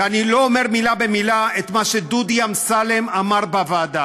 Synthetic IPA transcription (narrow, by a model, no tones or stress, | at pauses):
anilo̞ome̞ʁmilabemilaet̪maʃed̪ud̪jamsalemamaʁbavaːd̪a